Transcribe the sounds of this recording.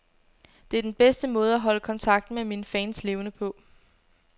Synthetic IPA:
d̥e̝æd̥enb̥esd̥əmɔ̽ːð̞ˠæɦɒ̽ləkʰɒ̽nt͡sʰɑ̈ɡ̥̚d̥n̩meminfɛ̰ːnsle̝ːʊnəpʰɒ̽

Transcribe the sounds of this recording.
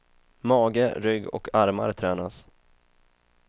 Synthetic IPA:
mɑːɡəɾʏɡːɔ̰kʰaɾmaɾt̪ʰɾɛːnas

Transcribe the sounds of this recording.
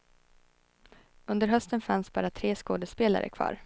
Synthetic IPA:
ɵnd̪əɾɦœst̪ənfansbɑ̰ːɾat̪ʰɾeːskoːd̪əspeːla̰ɾʔə̰kʰvɑ̰ːɾ

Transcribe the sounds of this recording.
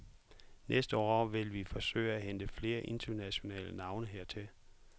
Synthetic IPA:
nʔesd̥əɒ̰ːɒʊʋe̝lʋifɒ̽sø̰ɪ̰æɦend̥əfle̝ːɐʔe̝nt͡sʰɐnæɕo̝nɛ̰ːlənɑ̈ʊnəɦe̝ɐ̰t͡sʰe̝l

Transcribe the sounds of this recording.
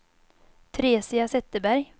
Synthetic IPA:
t̪ʰɾeːsiasɛt̪ːəbæɾj

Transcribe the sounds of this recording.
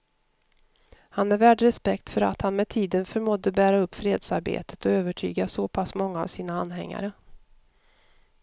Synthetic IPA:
hanɛɾvæːɖɾɛspɛkt̪fœɾa̰t̪hanmɛd̪t̪ʰiːd̪ənfœɾmɔd̪ːəbæːɾaɵpːfɾeːd̪saɾbḛːt̪ʰə̥t̪ɔøːvəʈʰy̰ːɡasopʰasmɔŋːa̰ːvsiːnaanɦɛ̰ŋːa̰ɾə

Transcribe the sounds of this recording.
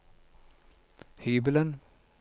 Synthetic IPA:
hyːbələn

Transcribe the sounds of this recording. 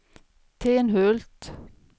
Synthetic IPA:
t̪ʰeːnhøːlt̪

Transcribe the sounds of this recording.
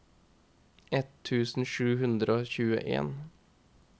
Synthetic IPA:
ɛt̪ʰːʉːsn̩ʃʉːhʉnd̪ɾəoːçʉːə̰ʔḛːn

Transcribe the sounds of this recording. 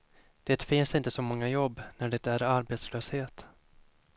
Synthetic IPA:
d̪̥ɛːt̪fɪnsɪnt̪əsɔmɔŋːajɔbːnæɖɛt̪æɾaɾbeːt̪sløːsheːt̪

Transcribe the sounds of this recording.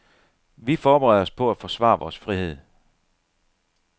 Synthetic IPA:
ʋifɒːb̥eʁɛð̞̰ˠɒ̽spʰɒ̽æ̥fɒ̽sʋɑ̰̈ːʋɒːsfʁihe̝ð̞̰ˠ

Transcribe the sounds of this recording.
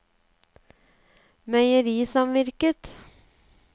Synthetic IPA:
mœʏəɾiːsɑmʋɪɾkət̪

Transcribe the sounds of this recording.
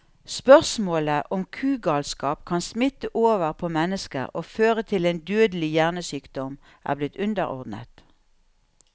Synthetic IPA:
spœʁsmoːləʔɔmkʰʉːɡɑːlskɑːp̚kʰɑnsmɪt̪əʔoːʋəʁpʰoːmɛnəskə̰ʁoːføːʁət̪ʰɪleːnd̪øːd̪əlɪjæʁnəsyːkd̪ɔm | ʔæ̰ːʁblɪt̪ʉnd̪əʁɔ̰ʁd̪n̩ə̰t̪

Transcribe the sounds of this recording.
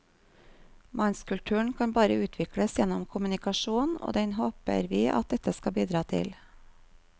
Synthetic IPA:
mɑnskʉlʈ̪ʰʉːəɳ̩kʰɑnbɑːɾəʉːt̪ʰʋɪkɽəsjɛnɔmkʰʊmʉnɪkɑʃuːno̰ːd̪ɛnhoːpə̰ɾʋiːʔɑ̰t̪̚d̪ɛt̪əskɑbiːd̪ɾɑːt̪ʰɪ̰l

